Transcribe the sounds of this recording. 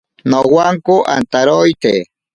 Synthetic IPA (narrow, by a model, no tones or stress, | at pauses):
nowaŋkoʔa̰nt̪aɾojt̪e